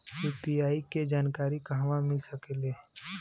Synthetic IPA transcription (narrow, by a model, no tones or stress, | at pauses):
juːpiaːiked͡ʒaːnkaːɾikaɦʋãmɪlsəkeleː